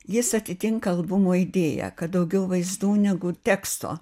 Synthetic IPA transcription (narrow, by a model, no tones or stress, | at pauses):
jɪsɐt̪ʲɪt̪ʲɪŋkɐɐlˠbʊmoːɪd̪ʲeːjɛ̰kɐt̪̚d̪ɐʊɡʲɛʊʋɐɪzd̪uːnʲɛɡʊt̪ʲɛːkst̪o̰ː